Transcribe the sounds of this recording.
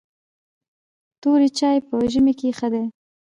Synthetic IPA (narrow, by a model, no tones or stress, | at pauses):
t̪oɾit͡ʃɑjpəʒəmekexəd̪e